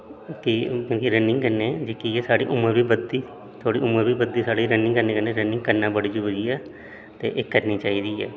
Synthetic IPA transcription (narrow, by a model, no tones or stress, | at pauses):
kikõːkiɾənːɪŋɡkəɾneːd͡ʒɪkijeːsaːɽḭːʔʊməɾbiːbəd̪iː | t̪ʰoːɽiːʊməɾbiːbəd̪ːiːsaːɽiːɾənːɪ̃ŋɡkəɾneːkəneːɾənːɪ̃ŋɡkəɾnãːbəɽiːd͡ʒuːbəd͡ʒiːɛː | t̪ḛːʔeːkəɾniːt͡ʃaːiːd̪iːɛ̰ː